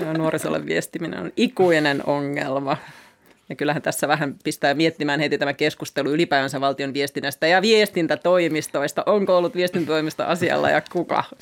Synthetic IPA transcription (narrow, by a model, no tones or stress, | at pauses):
jonuorisolːḛʋʋiest̪iminḛno̰nikuinenoŋːelmɑ | jɑkylːæhænt̪æsːæʋæhæmpist̪æːmiet̪ːimæːnhet̪it̪æmækeskust̪eluylipæiʋænsæʋʋɑlt̪ionʋiest̪inːæst̪æjɑʋiest̪int̪æt̪oimist̪oist̪ɑʔoŋkoolːut̪ʋiest̪int̪æt̪oimist̪ɑ̰ʔɑsiɑ̰lːɑ̰jɑkukɑ̰